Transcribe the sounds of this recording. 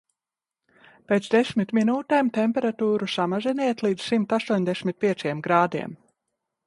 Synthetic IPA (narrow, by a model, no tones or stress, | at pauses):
peːt̪sd̪esʲmit̪minuːt̪eːmt̪ɛmpʲɛɾat̪uːɾusamazinɛjɛt̪lˠiːd̪z̥simt̪ast̪uɔɲd̪ɛsʲmʲit̪̚pʲiɛt̪sijɛmɡɾaːd̪ḭɛm